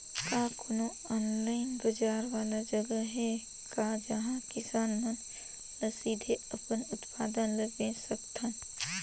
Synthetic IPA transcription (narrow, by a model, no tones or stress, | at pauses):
kaːkʰʊno | ɔːnlaːɪnbɐd͡ʒaːɾʋaːlad͡ʒɐɡəɦɛ | kad͡ʒɐɦãkɪsaːnmən | nəsiːd̪ʱeɐpənʊt̪paːd̪ənləbẽsɐkt̪ʰãn